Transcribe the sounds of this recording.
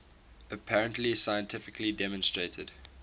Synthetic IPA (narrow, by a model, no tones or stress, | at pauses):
əpʰæɹə̃ntlisaɪə̃ntʰɪfɪkʰlidɛmɔ̃nstɹeɪtʰəd̥